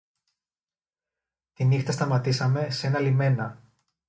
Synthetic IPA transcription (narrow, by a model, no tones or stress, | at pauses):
t̪inixt̪ɐst̪ɐmɐt̪isɐme̞se̞nɐlime̞nɐ